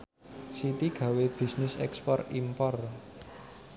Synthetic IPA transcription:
sit̪iɡ̥ä̤web̥i̤snɪsɛ̰kspɔrimpɔr

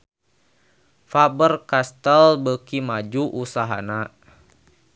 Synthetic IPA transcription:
fabərkast̪əlbəkimad͡ʒuʔusaɦa̰na

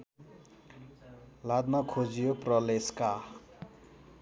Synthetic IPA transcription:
lad̪makʰod͡zijoprʌleska

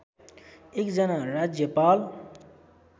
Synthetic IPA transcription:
ekd͡zʌnaɾad͡zjʌpal

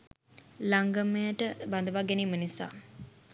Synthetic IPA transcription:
laŋɡəməjəʈəband̪əʋaɡeniːmənisa̰ː

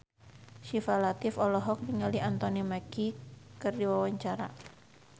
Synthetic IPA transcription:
ʃifalat̪ɪfɔlɔɦɔk̚diŋaliant̪ɔnimakikərdiwawaɲt͡ʃaɾa̰

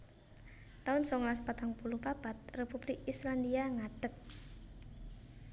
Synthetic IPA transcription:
t̪aʊnsɔŋlaspat̪aŋpulupab̥at̪̚repub̥lɪkisland̪iaŋad̥ək̚

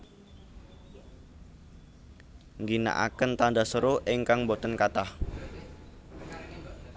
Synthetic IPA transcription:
ŋɡina̰ʔa̰kənt̪andasəɾoʔɪŋkaŋmbot̪ənkat̪ah

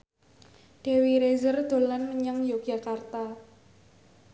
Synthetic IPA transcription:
ɖ̥e̤wiɾezərd̪̥o̤lanməɲəŋjoɡ̥a̤kart̪a

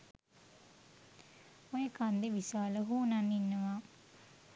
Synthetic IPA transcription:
ojəkand̪eʋisaːləɦuːnanːinːəʋaː

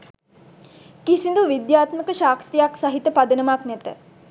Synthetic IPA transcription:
kisind̪uʋid̪jaːt̪məkəʃaːkt̪ijaksaɦit̪əpad̪ənəmaknɛt̪ə̰

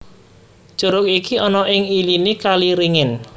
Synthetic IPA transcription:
d͡ʒ̥uɾʊk̚ikiɔnɔʔɪŋilinikaliɾiŋɪn

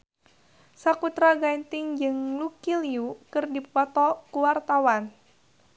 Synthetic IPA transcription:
sakut̪ɾaɡaint̪ɪŋd͡ʒɨŋlukiliukərdippɔt̪ɔkuwart̪awan

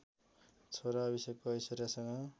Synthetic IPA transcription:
t͡sʰoɾaːbisekkoʌjsʌɾjasʌŋʌ

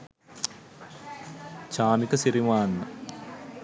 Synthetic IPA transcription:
t͡ʃaːmikɐsiɾimaːnːɐ

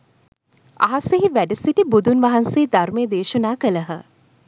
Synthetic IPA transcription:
a̰ɦaseɦiʋæɖəsiʈibud̪unʋaɦanseːd̪aɾmejəd̪eːʃunaːkələɦə

